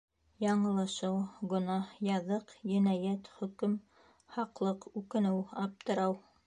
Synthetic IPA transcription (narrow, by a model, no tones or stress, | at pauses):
jɑɴɤ̆lˠɑʃɤwɡɵ̆nɑhjɑðɤqjɘ̆næjæt̪χɵ̆kɵm | hɑqlˠɤqʉkɘ̆nɘwɑp̚t̪ɤ̆ɾɑw